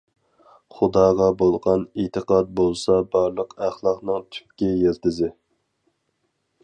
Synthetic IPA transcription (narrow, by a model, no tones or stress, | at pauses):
χʊd̪ɑːʁɑbolˠʁɑnit̪ʰəqɑt̪̚bolˠsɑbɑɾlˠəqæχlˠɑqnɨŋt̪ʰy̥p̚kʲɛjelt̪ɪzɪ